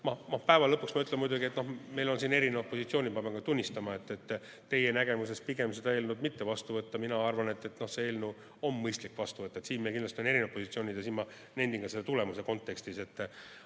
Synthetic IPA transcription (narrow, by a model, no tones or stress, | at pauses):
mɑmɑpæevɑlɤpːˑuksmɑyt̪lenmujd̪uɡiet̪no̞hme̞jlo̞nsiːne̞ɾineopːˑo̞sit̪sio̞ːnʲipɑbeŋkɑt̪unʲːist̪ɑmɑe̞t̪ːˑet̪ː | e̞jenæɡe̞mus̬e̞spiɡ̥e̞msed̪ɑe̞ːlnud̪mit̪ːe̞vɑst̪uvɤt̪ːɑminɑɑrvɑne̞t̪ːe̞t̪no̞hsee̞ːlnu | o̞mːɤjst̪likːvɑst̪uvɤt̪ˑːɑet̪siːnmekind̪lɑst̪ione̞ɾineopːˑo̞sit̪sioːnʲid̪̥jɑsiːnmɑ | ne̞nd̪iŋɡɑselːt̪ule̞muse̞ko̞nt̪ːˑe̞kst̪ise̞t̪ː